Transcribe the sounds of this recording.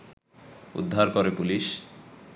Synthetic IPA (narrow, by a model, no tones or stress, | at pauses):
ṵd̪ʱːaɾkoɾepuliʃ